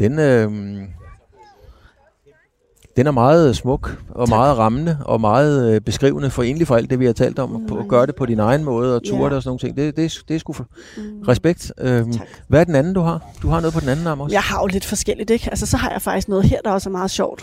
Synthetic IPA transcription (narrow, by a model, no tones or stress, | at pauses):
d̥enø | d̥enæɐmɑ̈ːð̞̩ˠsmɔ̽ɡ̥ɒ̽mɑ̈ːð̩ˠʁɑ̈mənəɒ̽mɑ̈ːð̩ˠb̥e̝sɡ̥ʁḭʊnəfɒ̽e̝̰ːnəlifɒ̽æld̥e̝ʋihɑ̈t͡sʰɛ̰ːld̥ɒ̽mʰɒɡ̥ɶːɐɾe̝pʰɒ̽ɾ̥inɑ̈ɪn̩mɔ̽ːð̞̩ˠɒ̽t͡sʰuːɐɾ̥eɒsɔ̽no̝ːŋ̩nt͡sʰe̝ŋ̰d̥e̝d̥e̝d̥esɡ̥uf | ʁɛsb̥eɡ̥̚d̥ø | ʋæɐd̥enænn̩d̥uhɑ̈d̥uhɑ̈nɔ̽ːðˠpʰɒd̥n̩æn̩ɑ̈mɒ̽jɑ̈ɪhɑ̈jole̝d̥fɒ̽sɡ̥el̰id̥eɡ̥ælsəsɒ̽ɦɑ̈jäɪfɑ̈ɡ̥d̥isɡ̥nɔ̽ːð̩ˠheɐ̰d̥ɑ̈ɒsæɐmɑ̈ːð̞̩ˠɕɒʊ̰d̥